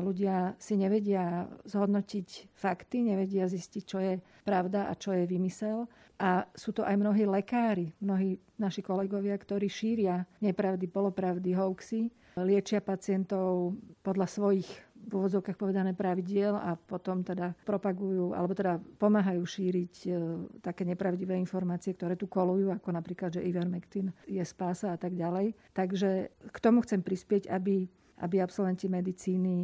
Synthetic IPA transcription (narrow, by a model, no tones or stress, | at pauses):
luɟɪasiɲɛʋɛɟɪazɦɔd̪nɔcicfakt̪iɲɛʋɛɟɪaziscic̚t͡ʃɔjɛ | pɾaʊd̪aʔa̰t͡ʃɔjɛʋimisɛl | ʔasuːt̪ɔʔajmnɔɦiːlɛkaːɾimnɔɦiː | naʃikɔlɛɡɔʋɪakt̪ɔɾiːʃiːɾɪaɲɛpɾaʊd̪ipɔlɔpɾaʊd̪iɦɔʊksi | lɪɛt͡ʃɪapat͡sɪɛnt̪ɔʊpɔd̪lasʋɔjixʋuʋɔd͡zɔʊkaːxpɔʋɛd̪anɛːpɾaʋiɟɪɛlapɔt̪ɔmt̪ɛd̪apɾɔpaɡujuːʔa̰lɛbɔt̪ɛd̪apɔmaːɦajuːʃiːɾict̪akɛːɲɛpɾaʊɟiʋɛːinfɔɾmaːt͡siɛk̚t̪ɔɾɛːt̪ukɔlujuːakɔnapɾiːklad̪ʒɛʔiʋɛɾmɛkt̪injɛspaːsaat̪aɡɟalɛjt̪aɡʒɛkt̪ɔmuxt͡sɛmpɾispɪɛɟabi | ʔa̰biapsɔlʋɛnt̪imɛd̪it͡siːni